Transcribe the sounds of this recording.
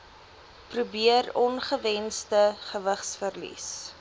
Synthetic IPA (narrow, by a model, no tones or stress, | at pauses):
prubiərɔnχəvɛnstəχəvəχsfərlḭs